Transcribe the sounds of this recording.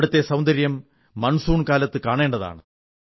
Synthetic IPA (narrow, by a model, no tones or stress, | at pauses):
ɽut̪ːe̞sɐwnd̪ɐɾjɐmː | ɐnsuːɳkaːlɐt̪ːɨkaːɳe̞ːɳɖɐða̰ːɳɨ